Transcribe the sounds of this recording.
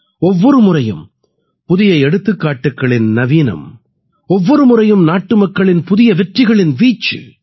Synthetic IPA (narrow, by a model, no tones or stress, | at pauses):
ɔʋːɔɾɯmʊrɐjɯ̰m | pʊðɪjɐɪɛɽɯt̪ːɯkːaːʈːɯkːɐɭɪnnɐʋiːnɐ̰m | ɔʋːɔɾɯmʊrɐjɯmnaːʈːɯmɐkːɐɭɪnpʊðɪjɐʋɛʈrɪɣɐɭɪnʋiːt͡ʃːɯ̰